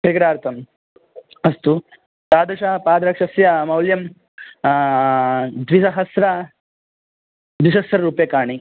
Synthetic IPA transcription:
kɐɾkɐɾaːɾt̪ʰɐm | ɐst̪u | t̪aːd̪ɐʂapaːd̪ɾɐkʂɐsjɐmɐwljɐm | d̪ʋiʃɐɦɐsɾɐ | d̪ʋiʃɐsɾɐɾuːpjɐkaːɳi

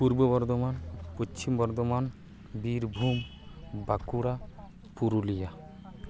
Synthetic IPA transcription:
puɾbobɔɾd̪omanpot͡ʃʰimbɔɾd̪oman | biɾbʱum | bakuɾa | puɾulija

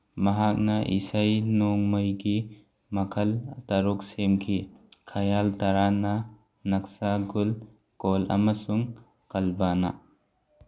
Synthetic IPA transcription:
mɐɦak̚nɐʔḭsajnoŋmɐjɡi | mɐkʰɐltɐɾuk̚semkʰikʰɐjalt̪ɐɾanɐ | nɐk̚saɡul | kolɐ̰mɐsuŋ | kɐlbana̰

